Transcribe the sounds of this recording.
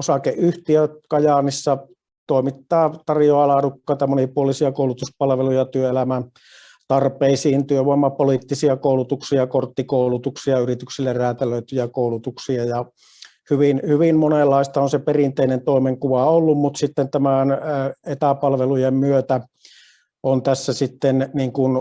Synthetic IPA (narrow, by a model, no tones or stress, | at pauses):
osɑkeʔʔyht̪iøkɑjɑnisːɑ | t̪oˑimit̪ːɑːt̪ɑrjoɑlɑːdukːɑˑit̪ɑmonipuolisiɑkoˑulut̪uspɑlʋelujɑt̪yøelæmæn | t̪ɑrpeisiːnt̪yøʋoˑemːɑpolit̪ːisiɑkoˑulut̪uksiɑkort̪ːikoˑulut̪uksiɑyrit̪yksilːerræːt̪æløˑyt̪yjækoˑulut̪uksiɑjɑ | hyʋinhyʋimmonelːɑˑist̪ɑonseperint̪eˑinent̪oˑimeŋkuʋɑolːummut̪sit̪ːent̪æmænet̪æpɑlʋelujemmyøt̪æ | ont̪æsːæsit̪ːenniːŋkun